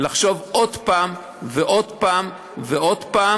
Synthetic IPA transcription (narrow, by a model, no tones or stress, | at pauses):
laχʃo̞vʔo̞d̪paːm | veʔo̞d̪paːm | veod̪paː